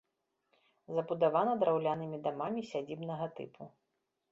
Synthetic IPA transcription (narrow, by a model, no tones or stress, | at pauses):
zɐbud̪avanɐd̪ɾawlʲanɨmʲid̪amamʲisʲad͡zʲibnɐɣɐt̪ɨ̰pu